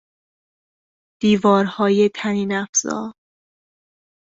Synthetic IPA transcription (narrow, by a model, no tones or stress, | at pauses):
d̪̥iːvɒːɾhɒːjet̪ʰæniːnæfz̥ɒ̰ːɾ